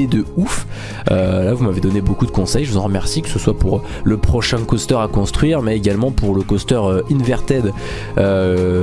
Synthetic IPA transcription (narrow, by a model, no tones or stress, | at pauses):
ed̪əuf | ølavumaved̪ɔnebokud̪əkɔ̃sɛjʒəvuzɑ̃ʁəmɛʁsikə̥səswapuʁ | ləpχɔʃɛ̃kɔst̪œʁakɔ̃st̪χɥiʁmɛeɡʲalmɑ̃puʁləkɔst̪œʁøinvɛʁt̪ɛd̪ | ø